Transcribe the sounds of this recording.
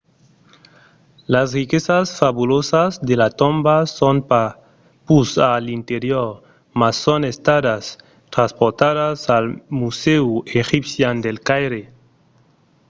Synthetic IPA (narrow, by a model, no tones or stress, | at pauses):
lasrikesasfaβulosazd̪elat̪ombasonpa | pusalint̪eɾjoɾ | masːonest̪aðas | t̪ɾanspoɾt̪aðasalmuseuexipsjand̪elkajɾe